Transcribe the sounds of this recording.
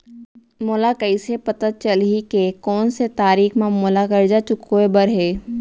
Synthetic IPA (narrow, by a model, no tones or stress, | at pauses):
molakəisepɐt̪ət̪̚t͡ʃəlɦikekɔːnset̪aːɾiːxʰmãmoːlakəɾd͡ʒat͡ʃʊkːoebəɾɦeː